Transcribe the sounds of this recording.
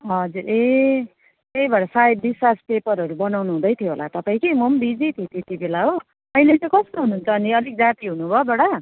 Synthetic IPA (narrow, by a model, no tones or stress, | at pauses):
ɦʌd͡zuɾe | t̪ejbʌɽasaib̚d̪isaspepʌɾɦʌɾubʌnawnuɦũd̪ʌjt̪ʰjoɦola̰t̪ʌpaĩkimʌmbid͡zit̪ʰet̪et̪ibelaɦo | ʌjletʌkʌst̪oɦunuːnt͡sʰʌːniʌlik̚d͡zat̪iɦunubʱʌbʌɽa